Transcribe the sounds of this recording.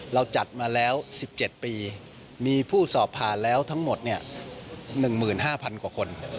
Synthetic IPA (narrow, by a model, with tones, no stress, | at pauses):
ɾa˧wt͡ɕa˨˩t̪̚maː˧lɛː˦˥wsi˨˩p̚t͡ɕe˨˩t̪̚piː˧ | miː˧pʰuː˥˩sɔː˨˩pʰːaː˨˩nlɛː˦˥wt̪ʰa˦˥ŋmo˨˩t̪̚ni˥˩ɐ | nɯ˨˩ŋmɯː˨˩nɦaː˥˩pʰa˧nkwaː˨˩kʰo˧n